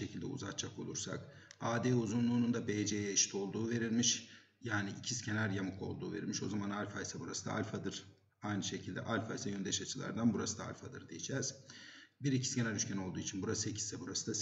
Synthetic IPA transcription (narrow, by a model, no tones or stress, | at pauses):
ecʰilʲd̪ɛ̰ṵzat̪̚t͡ʃʰːako̞lˠuɾsa̰k | aːd̪eːuzunlˠuːnund̪abejd͡ʒejjaʃi̥t̪ʰo̞lˠd̪uːve̞ɾilʲmiʃ | jaːniʔicʰiscʰe̞næɾjamɯkʰˠo̞̰lˠd̪ṵːve̞ɾilʲmiʃo̞zamanalʲfajsabuɾasɯd̪a̰a̰lʲfad̪ɯɾ̥ | ajnɯʃe̞cʰilʲd̪ɛ̰ʔalʲfajsajønd̪ɛʃat͡ʃʰɯlˠa̰ɾd̪anbuɾasɯd̪aa̰lʲfad̪ɯ̰ɾd̪ijed͡ʒɛːz̥biɾicʰi̥scʲe̞næɾyʃcʰæno̞lˠd̪uːit͡ʃʰinbuɾasɯecʰi̥sːɛbuɾasɯ̥d̪a